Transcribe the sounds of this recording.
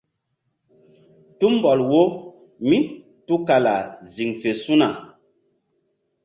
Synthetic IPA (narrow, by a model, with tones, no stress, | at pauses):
tu˦m˨bɔ˨lwo˦ | mi˦ | tu˦ka˨la˨zi˨ŋfe˨su˦na˨